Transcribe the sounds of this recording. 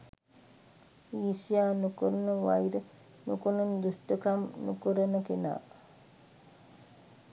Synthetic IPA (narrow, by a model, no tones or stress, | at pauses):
iːsijaːnukuɾənəʋa̰jɾə | nukonund̪usʈəkamnukuɾənəkena̰ː